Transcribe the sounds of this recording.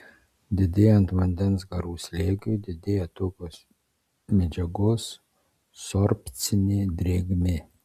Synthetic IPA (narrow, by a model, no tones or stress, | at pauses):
d̪ʲɪd̪ʲeːjɛnt̪ʋɐnʲd̪ʲɛnsɡɐɾuːsʲlʲeːɡʲʊd̪ʲɪd̪ʲeːjɛt̪ʰoːkʲoːs | mʲɛd͡ʒɛɡoːs | sorpʲt͡sʲɪnʲed̪rʲeːɡme